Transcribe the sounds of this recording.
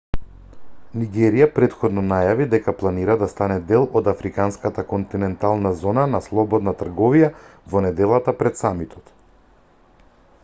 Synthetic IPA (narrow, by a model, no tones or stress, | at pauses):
niɡɛɾijapɾɛt̪xɔd̪nɔnajavid̪ɛkaplˠaniɾad̪ast̪anɛd̪ɛlˠɔd̪afɾikanskat̪akɔnt̪inɛnt̪alˠnazɔnanaslˠɔbɔd̪nat̪r̩ɡɔvijavɔnɛd̪ɛlˠat̪apɾɛt̪samit̪ʰɔ̥t̪